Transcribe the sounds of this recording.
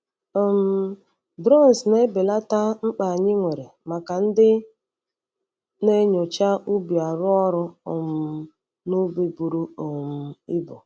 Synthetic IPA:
m̩˦ | bɾɔ˦n˨sne˦bɪ˨la˦ta˦ŋ͡m̩˦k͡pa˨ɲɪ˦ŋʷe˨ɾe˨ma˨ka˨n̩˦dɪ˦ | ne˦ɲo˨t͡ʃa˦u˦bi˨a˨ɾʊ˦ɔ˦ɾʊ˦ʊ˨m̩˨˦ | nʊ˦be˦bu˨ɾu˦ʊ˨m̩˨˦ɪ˦bʊ˨

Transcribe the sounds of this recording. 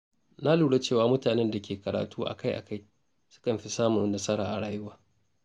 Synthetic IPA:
na˦luː˨ɽe˦t͡ʃeː˦˨waː˨mʊ˦taː˨nɛ˦nda˨kʲʰeː˨kɐ˨ɾa̰ː˨tʰuː˦ʔa̰˨ka˦jʔa̰˨ka˦˨j | sʊ̥˦kɐ˨mɸi˦saː˦mʊ˨nnɐ˦sɐ˦ɾaː˨ʔa˨ɽaː˨jʊ˦waː˨

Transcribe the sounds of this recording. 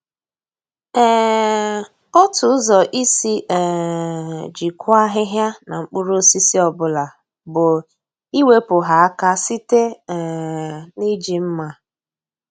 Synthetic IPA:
ɛ˦ | ɔ˦tʊ˨˦zɔ˨ʔi˦si˦ʔɛ˨ | d͡ʒi˨kʷʊ˦a˦ɦɪ˦ɦja˦na˨ŋ͡m̩˦k͡pʊ˦ɾo˦si˦si˦ɔ˨bʊ˦la˨ | bʊ˨ | i˦we˦pʊ˨ɦa˨a˦ka˦si˦te˦˨ | ni˦d͡ʒi˨m̩˦ma˦

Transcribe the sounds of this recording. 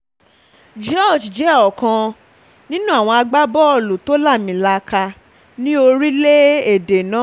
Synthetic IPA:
d͡ʒɔ˦˨d͡ʒd͡ʒɛ˨˦ɔ˨kã˧ | nĩ˦nũ˦a˦˨w̃ɔ̃˧a˧ɡ͡ba˦bɔ˦ɔ˦˨lu˨to˨˦la˦˨mĩ˨la˧ka˧ | nĩ˦o˧ɾi˦le˦e˦˨de˨nãː˨˦

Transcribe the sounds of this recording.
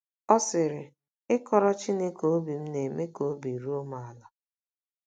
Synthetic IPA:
ɔ˦sɪ˨ɾɪ˨ | ɪ˦kɔ˨ɾɔ˦t͡ʃi˦ne˦ko˨o˦bi˨m̩˦ne˨me˦ko˨˦bi˨ɾu˦o˦ma˨a˨la˨

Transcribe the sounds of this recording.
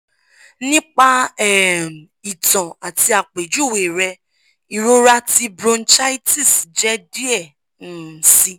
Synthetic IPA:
nĩ˦k͡pa˧ɛ˦˨n˨i˨tɔ̃˨a˨ti˧a˨k͡pe˨d͡ʒu˨˦˨we˨ɾɛ˧ | i˨ɾo˧ɾa˧ti˧bɾõ˧n̩˦t͡ʃa˦i˦ti˦˨sd͡ʒɛ˦di˦ɛ˦˨ | n̩˦˨˦si˧

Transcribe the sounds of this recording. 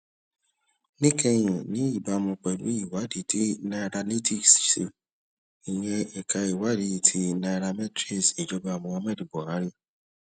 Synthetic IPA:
nĩ˦kɛ˧j̃ĩ˨nĩ˨˦i˦˨ba˧˦˧mɔ̃˧k͡pɛ˨lṵ˨˦i˦˨wa˦di˨ti˦na˧ɾa˧ni˦ti˦˨sse˨ | i˨j̃ɛ̃˧e˨ka˧i˨wa˨˦di˨˦˨tʰi˦na˧i˧ɾa˧mɛ˦tɾi˦˨si˨d͡ʒɔ˨˦ba˦˨mɔ̃˧wã˧mɛ˦di˨bɔ˨a˨˦ɾi˦

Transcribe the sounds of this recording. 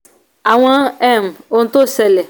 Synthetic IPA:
a˨w̃ã˦ɛ˦˨mo˦ŋ̩˦t̪o˦sɛ˨lɛ˨

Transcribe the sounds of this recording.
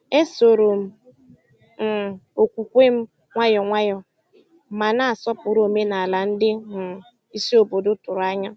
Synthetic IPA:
e˦so˨ɾo˨m̩˨ | m̩˨o˨kʷu˨kʷe˦m̩˦ | ŋʷa˦jɔ˨ŋʷa˦jɔ˨˦ | ma˨na˦a˨sɔ˦pʊ˨ɾo˨me˦na˨a˨la˨n̩˦dɪ˦mʊ˨ | i˦si˦o˨bo˨dʊ˦tʊ˨ɾʊ˨a˦ɲɔ˦

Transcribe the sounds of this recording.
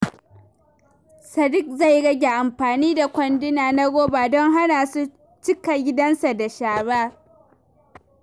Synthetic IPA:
sɐ˨dɪ˦k̚za˦˨jɽɐ˦ɡʲe˨ʔa˨mɸaː˨niː˦da˨kʷɔ˨ndɪ˦naː˨na˦ɡʷoː˦baː˨dɔ˦ŋɦa˦naː˨su˦ | t͡ʃɪ˦ka˨ɡʲɪ˦dɐ˦nsa˨da˨ʃaː˨baː˦

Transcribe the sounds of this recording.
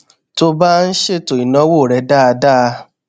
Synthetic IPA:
to˧ba˦n̩˦ʃe˦˨to˨i˨nã˨˦wo˦˨ɾɛ˨˧˦da˦˨˧da˦˧

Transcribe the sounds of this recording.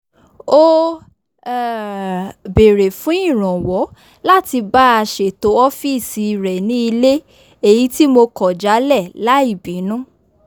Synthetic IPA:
o˦ | ɛ˨ | be˨ɾe˨fũ˨˦ĩ˦˨ɾ̃ɔ̃˨wɔ˨˦ | la˦ti˧ba˦a˧ʃe˨to˨˦ɔ˦fi˦˨si˨ɾɛ˨nĩ˦i˧le˦ | e˦˨ji˨˦ti˦mo˧kɔ˨d͡ʒa˨˦lɛ˦˨la˦i˦˨bi˨˦nũ˦

